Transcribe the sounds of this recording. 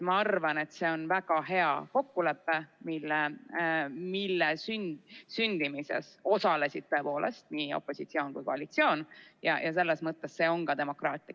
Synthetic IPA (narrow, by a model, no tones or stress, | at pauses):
mɑɑrvɑne̞t̪se̞o̞nvæɡ̥ɑɦe̞ɑko̞kːule̞pːe̞milːe | milːesynsynd̪̥imise̞̰so̞sɑle̞sid̥̪̚t̪ø̞e̞po̞ːle̞st̪niːo̞̰pːˑo̞sit̪sio̞ːnkujko̞ɑlit̪sio̞ːnjɑ̰jʔɑse̞lːesmɤt̪ːe̞sse̞ːo̞ŋkɑd̪e̞mo̞krɑːt̪ːˑi